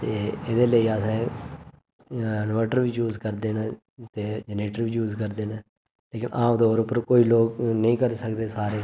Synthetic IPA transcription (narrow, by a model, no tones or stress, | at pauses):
t̪eːed̪eːləiːəsãː | ənʋəːʈəɾʋiːd͡ʒuːzkəɾd̪eːnː | t̪eːd͡ʒəneːʈəɾʋiːd͡ʒuːzkəɾd̪eːnaː | leːkɪnʔaːmd̪oːɾʊpəɾkoːiːloːknəĩːkəɾisəkd̪eːsaːɾeː